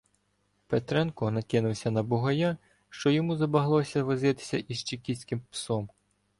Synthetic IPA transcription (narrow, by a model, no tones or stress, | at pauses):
pet̪ɾɛnkɔnɐkɪnʊwsʲɐnɐbʊɦɐja | ʃt͡ʃɔjɔmuzɐbɐɦlˠɔsʲɐʋɪzɪt̪ɪ̥sʲɐʔizt͡ʃikʲisʲkɪmpsɔm